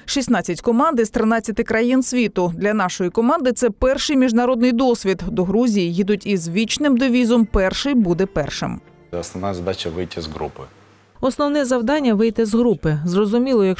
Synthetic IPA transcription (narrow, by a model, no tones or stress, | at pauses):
ʃisʲnɑt͡sʲːɐtʲkɔmɑnd̪ɪist̪ɾɪnɑt͡sʲːɐt̪ɪkɾɐjinsʲʋʲit̪ʊd̪lʲɐnɑʃɔjikɔmɑnd̪ɪt̪sɛpɛrʃɪjmʲiʒnɐɾɔd̪nɪjd̪ɔsʲʋʲid̪d̪ɔɦɾuzʲijijid̪ʊtʲizʋʲit͡ʃnɪmd̪ɪʋʲizɔmpɛrʃɪjbud̪ɛpɛrʃɪ̰m | ɔsnɔnɑzɐd̪ɑt͡ʃɐʋɪjtʲɐzɦɾṵpɪ | ɔsnɔwnɛzɐwd̪ɑnʲːɐʋɪjt̪ɪzɦɾupɪzrɔzʊmʲilˠɔjɐk